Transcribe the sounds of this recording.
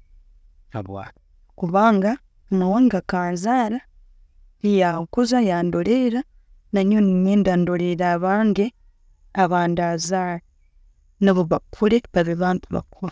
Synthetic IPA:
aβ | kuβaːŋɡa | nawaŋɡakaːnzaɾa | ijakuzajaːndoleɾa | naɲonimendandoleɾaβaːŋɡe | aβaːndazaɾa | naβoβakʰuleβaβiβaːntuβa̰kʰuβa

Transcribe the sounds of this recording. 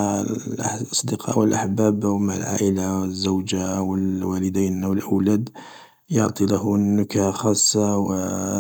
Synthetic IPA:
ɑsˤd̪əqʰɑ̰ʔwəlʔaħbæbwmaʕa̰lʕa̰ʔəlazːawd͡ʒawəlwæləd̪æjnnwlʔawlæd̪ | joʕt̪ˤilahnːʊkaxɑsˤːɑwə

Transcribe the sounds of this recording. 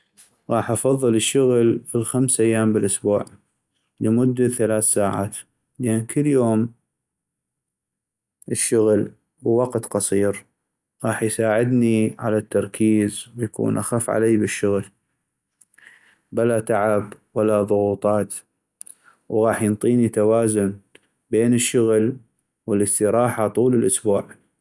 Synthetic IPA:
ɣɑːħʔɑfɑðˤːɨləʃːʊɣlfilxamsʔajːaːmbəlʔʊsbuːʕ | ləmʊd̪ːaθalaːθsaːʕa̰ːt̪ | ləʔankʰəlːjoːm | ʔəʃːʊɣl | bəwɑqt̪qɑsˤiːɾ | ɣɑːħjsaːʕɪd̪niʕa̰lat̪ːɑɾˤkʰiːzwjakṵːnʔa̰xafʕa̰leːbɪʃːʊɣl | bɪlat̪aʕabwalaðˤʊɣuːt̪ˤɑːt̪ | wɣɑːħjənt̪ˤiːnit̪awaːzʊn | beːnəʃːʊɣl | wələst̪əɾɑːħat̪ˤuːləlʔʊsbuːʕ

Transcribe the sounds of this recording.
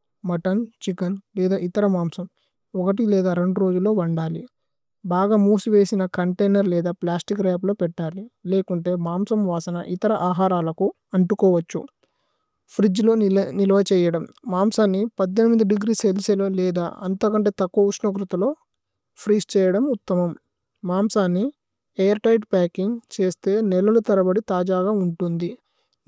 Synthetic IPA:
mɐʈɐnt͡ʃikɐnlɛːd̪aːit̪ɐɾɐmaːmsɐm | ɔkɐʈ̬ilɛːd̪aːɾe̞ɳɖuɾo̞ːd͡ʒulːo̞ːʋɐɳɖaːli | baːɡaːmuːsuʋeːsinɐkɐɳʈejnɐɾlɛːd̪aːplaːsʈikɾɛːplo̞ːpɛʈːaːlileːkuɳʈe̞ːmaːmsɐmʋaːsɐnɐ̰ʔit̪ɐɾɐʔaːɦaːɾaːlɐku | ɐɳʈukɔːʋɐt͡ʃːṵ | pʰɾid͡ʒlo̞ːnilɐʋɐt͡ʃɛːjɐɽɐmːaːmsaːnːipɐd̪ːenimid̪ɐɖiɡɾiːselseloːlɛːd̪a̰ːɐnt̪ɐːkɐɳʈe̞ːt̪ɐkːuʋɐuʂnɐk̬ɾut̪ɐlo̞ː | pʰɾiːst͡ʃɛːjɐɽɐmut̪ːɐmɐmː | aːmsaːnːi | ejɐɾʈɐjʈpaːkiŋɡt͡ʃe̞ːst̪e̞ːnɛlːɐlut̪ɐɾɐbɐɽit̪aːd͡ʒaːɡaːuɳʈund̪i

